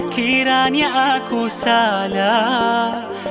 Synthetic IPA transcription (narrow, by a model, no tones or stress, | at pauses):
kʰiɾaːnjaʔakusaːla